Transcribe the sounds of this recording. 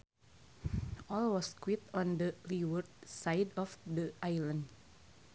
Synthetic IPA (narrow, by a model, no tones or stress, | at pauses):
ʔɔlwɔskwit̪ɔ̃ndəliwərd̪̚sajdɔfdəʔajlə̃nd